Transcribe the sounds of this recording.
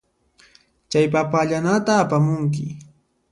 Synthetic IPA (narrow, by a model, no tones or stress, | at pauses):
t͡ʃajpapaʎanat̪aːpamʊŋk̬ɪ